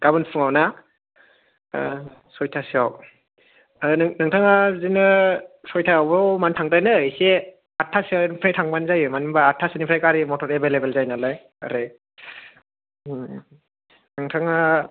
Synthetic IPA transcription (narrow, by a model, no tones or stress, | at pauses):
ɡ̥abɯnpʰɯŋawna | sɔjtʰasiaw | ɯnɯŋtʰaŋazinɯsɔjtʰaawbmantʰaŋdajnɯise | atʰːasiawnipʰɾajtʰaŋbanzajɯmanimbaːtʰːasinipʰɾajkaɾimɔtʰɔɾebelebelzajnalaj | a̰ɾɯj | nɯŋtʰaŋa